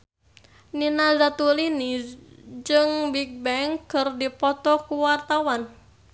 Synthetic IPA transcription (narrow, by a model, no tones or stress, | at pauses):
ninazat̪ulini | d͡ʒɨŋbik̚bɛŋkɨrdipɔt̪ɔkuwart̪awan